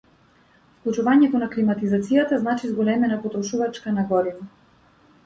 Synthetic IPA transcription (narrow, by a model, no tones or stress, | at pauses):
fklˠut͡ʃuvaɲɛt̪ɔnaklimat̪izat̪sijat̪aznat͡ʃizɡɔlɛmɛnapɔt̪ɾɔʃuvat͡ʃkanaɡɔd̪ina